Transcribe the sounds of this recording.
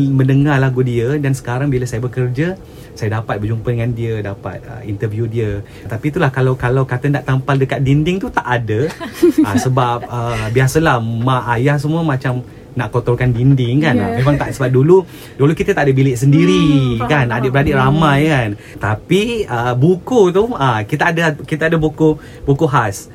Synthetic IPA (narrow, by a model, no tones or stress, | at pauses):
mə̃nəŋarlaɡudiədansə̥kaɾaŋbiləsajabəkərd͡ʒə | sajadapat̪̚bərd͡ʒumpədəŋandiədapa̰t̪̚ə̰int̪ərvjudiə | t̪apit̪ulahkalawkalawkat̪əndaʔt̪ampaldəkat̪̚dindɪŋt̪ut̪aʔadəasəbap̚əbiasəlahmaʔajahs̬əmuəmat͡ʃam | naʔkot̪ɔrkandindɪŋkanmemãŋt̪aʔsəbap̚dulu | dulukit̪ət̪aʔadəbilɪʔsəndiɾikanadəʔbəɾadiʔramajkan | t̪apiəbukut̪uakit̪aadəkit̪əadəbuku | bukuɦas